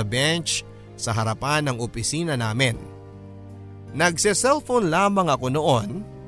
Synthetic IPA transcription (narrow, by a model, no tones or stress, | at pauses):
ɐbɛnt͡ʃ | sɐɦɐɾɐpanɐŋopɪsiːnɐnaːmɪn | nɐɡ̚sɪsɛlfonlaːmɐŋɐko̞noʔon